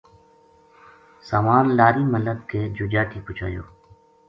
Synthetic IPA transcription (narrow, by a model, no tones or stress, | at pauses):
saːmaːnlaːɾiːmələd̪keːd͡ʒʊd͡ʒaːʈʰiːpʊt͡ʃʰa̰ːjo̰ː